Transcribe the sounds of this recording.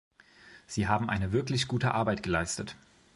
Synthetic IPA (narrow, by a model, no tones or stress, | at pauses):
z̥iːɦaːbm̩ʔa̰ɪnəvɪɐklɪçɡ̥uːtəʔaɐbaɪtɡ̥əlaɪstət